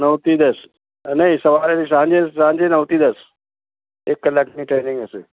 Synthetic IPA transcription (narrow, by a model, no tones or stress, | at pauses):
nɐʋt̪id̪ɐs | nɐĩsɐʋaːɾeɾisãːɲd͡ʑessãːɲd͡ʑenɐʋt̪id̪ɐs | ɪklɐkʰniʈeːnɪ̃ŋɡəsɪ